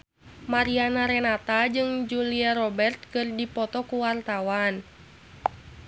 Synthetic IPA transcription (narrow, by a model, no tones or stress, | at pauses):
maɾianaɾɛnat̪ad͡ʒɨŋd͡ʒuliaɾɔbɛrt̪̚kɨrdipɔt̪ɔkuwart̪awan